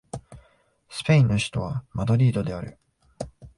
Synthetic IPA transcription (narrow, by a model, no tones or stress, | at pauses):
sɨ̥pe̞ĩnːoɕi̥t̪o̞β̞amad̪o̞ɾʲiːd̪o̞d̪e̞aɾɯ̟